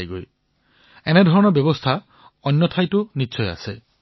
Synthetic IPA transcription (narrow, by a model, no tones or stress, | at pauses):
jɡoj | ened̪ʱɔɹɔñɔbjɔbɔst̪ʰa | ɔnːjɔt̪ʰajtunitːsʰɔja̰se